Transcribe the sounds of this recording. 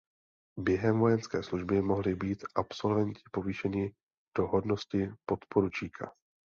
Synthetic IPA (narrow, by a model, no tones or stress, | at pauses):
bjɛɦɛmvo̞jɛnskɛːsluʒbɪmo̞ɦlɪbiːt̪ʔapso̞lvɛɲcɪ̥po̞viːʃɛɲɪ | d̥o̞ɦo̞dno̞scɪpo̞t̪po̞ɾut͡ʃiːkʰa̰